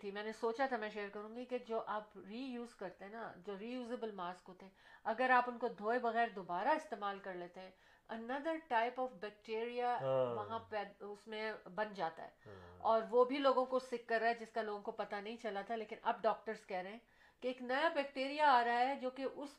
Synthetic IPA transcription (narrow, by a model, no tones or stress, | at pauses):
t̪ʰimɛːnesoːt͡ʃat̪ʰamɛ̃ːʃeːəɾkɐɾũːɡiked͡ʒoːʔaːpɾiːjuːzkɐɾt̪eɦɛ̃nad͡ʒoːɾiːjuːzebəlmaːskɦoːt̪eɦɛ̃ɐɡəɾaːpʊnkod̪ʱoːebɐɣɛːɾd̪obaːɾaɪst̪eːmaːlkɐɾleːt̪eɦɛ̃ | ɐnɐd̪əɾʈaːɪpɔːfbɛːk̚ʈeːɾijaʋɐɦãpɛːʊsmẽbɐnd͡ʒaːt̪a̰ɦɛ̰ːɔːɾʋobʱiloːɡõkosɪkːɐɾːaːɛd͡ʒɪskaloːɡõkopɐt̪anɐɦĩt͡ʃɐlat̪ʰaleːkɪnʔɐ̰b̚ɖɔːk̚ʈəɾz̥kɛɦɾɐɦɛ̃ | keːknɐjabɛːkʈeːɾijaaːɾɐɦaɦɛd͡ʒoːkeʔʊs